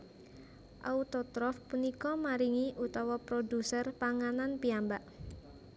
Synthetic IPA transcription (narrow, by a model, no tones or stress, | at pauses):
ʔaut̪ɔt̪ɾɔfpunikɔmaɾiŋiʔut̪ɔwɔpɾodusərpaŋananpiambaʔ